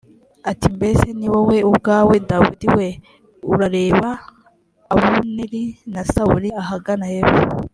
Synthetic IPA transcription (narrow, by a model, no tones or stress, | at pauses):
atimbe̞seniwowe̞ubɡaːwe̞dawṵdiwe̞ | uɾaɾe̞ːβaː | wuniɾinasaṵɾiaɦaɡanajeβu